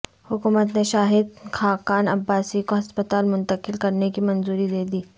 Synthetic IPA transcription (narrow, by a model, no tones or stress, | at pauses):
hʊkuːmət̪neʃaːɦɪd̪̚kʰaːkaːnɐ̰bːaːsikoɦɐspət̪aːlmʊ̃nt̪əkɪlkɐɾnekimɐnzuːɾid̪eːd̪iː